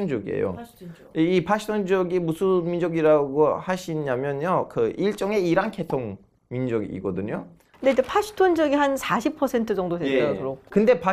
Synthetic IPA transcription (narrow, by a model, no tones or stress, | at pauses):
ond͡ʑʌɡḭḛjo̰ | ipʰaɕʰi̥tʰond͡ʑʌɡimusʰumind͡ʑʌɡiɾaɡohaɕʰiɲamjʌnjokɯʔiɭt͡ɕ͈ʌŋe̞iɾankʰe̞tʰoŋ | mind͡ʑʌɡḭɡʌdɯɲo | neepʰaɕʰi̥tʰond͡ʑʌɡiɦansʰaɕʰipʰʌsʰe̞ntʰɯd͡ʑʌŋdodeʌtʰoɾokkɯnde̞pʰa